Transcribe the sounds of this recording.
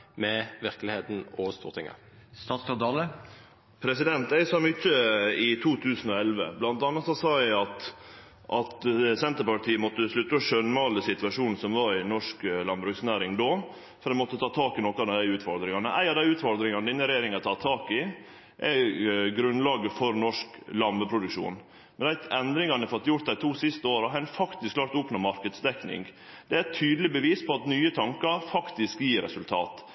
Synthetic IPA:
mɛʋɪɾklɪheːt̪n̩oːʋəst̪uːt̪ʰɪ̰ŋə̰ | st̪ɑːt̪skɑd̪ɑːlə | pʰɾɛsɪd̪ɛnt̪æɪsɔmʏçːəɪt̪ʰuːt̪ʰʉːsn̩ɔɛlʋə̰blɑnt̪ɑnːɑt̪sɔsɑːjæɪɑt̪ | ʔɑt̪sɛnt̪əɾpɑʈ̪ʰiːəmɔt̪ːəʂlʉt̪ːəɔʃœnmɑːləsɪt̪ʋɑʂuːnn̩sɔmʋɑɾɪnɔʂklɑnbɾʉksnæːɾɪŋd̪oː | fɔɾd̪æɪmɔt̪ːət̪ʰɑːt̪ʰɑːkɪnɔkːəɑʋd̪ææɪʉːt̪fɔɾd̪ɾɪŋɑnəʔæ̰ɪɑʋd̪æɪʉːt̪fɔɾd̪ɾɪŋɑnəd̪ɪnəɾɛjeːɾɪŋɑt̪ʰɑːt̪ʰɑːkɪ | ʔɛɡɾʉnlɑːɡəfɔɾnɔʂklɑmbəpʰɾʊd̪ʉkʃṵːn | mɛnd̪æɪt̪ɛnd̪ɾɪŋɑnɛfɔt̪ːjʊɾt̪̚d̪æɪt̪ʰuːsɪst̪əoːɾɔɦæɪnfɑkt̪ɪsklɑːɾt̪ʊpnoːmɑɾkəd̪sd̪ɛknɪ̰ŋ | d̪̥ɛæt̪ʰyːd̪əlɪbəʋiːspʰɔɑt̪nyːət̪ʰɑŋkɑɾfɑkt̪ɪskjiːɾɛ̰sʉlt̪ʰɑ̰ːt̪

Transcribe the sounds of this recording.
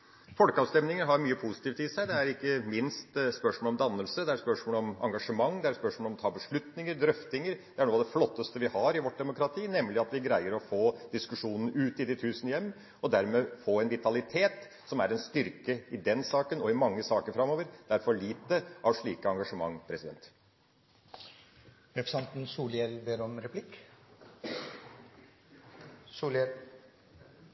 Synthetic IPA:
fɔlkəɑːʋst̪ɛmnɪŋəɾɦɑɾmyːəpʰusɪ̥t̪iːft̪ɪsæɪd̪ɛæɾɪkːəmɪnst̪spœʂmoːlɔmd̪ɑnːəlsəd̪ɛæɾspœʂmoːlɔmɑŋɡɑʂəmɑŋːd̪ɛæɾspœʂmɔːlɔmt̪ʰɑːbəʂɭʉt̪nɪŋəɾd̪ɾœft̪ɪŋəɾd̪̥ɛæɳoːd̪ɛflɔt̪ːəst̪əʋɪhɑɾɪʋɔʈ̚ːd̪ɛmʊkɾɑt̪ʰiːnɛmːlɪɑt̪ʋɪɡɾæɪəɾɔfoːd̪̥ɪskʉʂuːnən̩ʉːt̪ɪd̪ɪt̪ʰʉːsənəjɛmː | ɔd̪æɾmɛfoːɛnʋɪt̪ɑlɪt̪ʰeːt̪ | sɔmæɾɛnst̪ʏɾkəɪd̪ɛnsɑːkənɔɪmɑŋːəsɑːkəɾfɾɑmːoːʋəɾd̪̥æɾfɔɭiːt̪əʔɑʋʂɭiːkəɑŋɡɑʂəmɑ̰ŋːpʰɾɛsɪd̪ɛ̰nt̪ | ɾɛfsɛnt̪n̩suːljɛld̪əɾɔmɾɛpʰlɪk | suːlɛ

